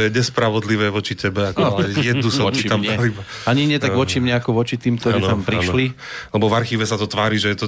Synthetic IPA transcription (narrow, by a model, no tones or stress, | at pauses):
ɔjɛɲɛspɾaʋɔd̪liʋɛːʋɔt͡ʃitɛbɛakaɛjɛd̪nusat̪amaɛiba | aɲiɲɛt̪aɡʋɔt͡ʃimɲɛakɔʋɔt͡ʃit̪iːmkt̪ɔɾɾiːnt̪ampɾiʃli | alɛbɔvaɾxiːʋɛsat̪ɔt̪ʋaːɾiːʒɛjɛt̪ɔ